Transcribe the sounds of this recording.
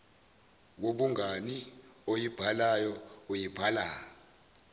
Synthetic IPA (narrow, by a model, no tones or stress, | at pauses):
k̬oɓuŋani | ojib̥ʱalajɔojib̥ʱalaː